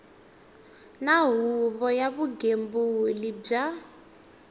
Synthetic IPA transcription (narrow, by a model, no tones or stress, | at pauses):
naɦuβɔjaβuɡembulib͡ʐa